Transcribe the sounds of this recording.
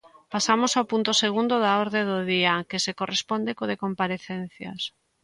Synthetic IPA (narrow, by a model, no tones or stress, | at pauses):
pasamosawpunt̪ʊseɣ̞und̪oðaoɾðeðoðiakesekorespond̪ekoðekompaɾeθen̟θja̰s